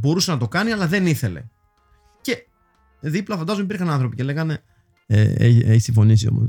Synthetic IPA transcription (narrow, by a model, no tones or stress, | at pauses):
bo̞ɾusenɐt̪o̞kɐniɐlɐðe̞niθe̞le̞̰ | ce̞ | ðiplɐfɐnd̪ɐzomipiɾxɐnɐnθɾo̞pice̞le̞ɣɐne̞ | ḛeçeçisiɱfo̞nisio̞̰mo̰s